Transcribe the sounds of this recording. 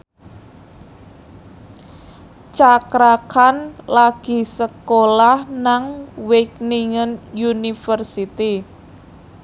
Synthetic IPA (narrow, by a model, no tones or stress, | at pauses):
t͡ʃakɾakanlaɡ̥i̤səkolahnaŋwɪkniŋənjunifərsit̪i